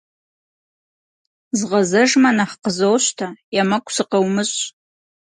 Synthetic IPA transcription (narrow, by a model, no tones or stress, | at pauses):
zʁɐzɐʒmɐnɐχqəzowɕtʰajamɐkʷʼsɨqɐwmɨɕ